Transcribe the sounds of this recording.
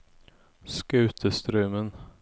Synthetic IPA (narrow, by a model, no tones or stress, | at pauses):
skʉ̟ːt̪ʰəst̪ɾœːmən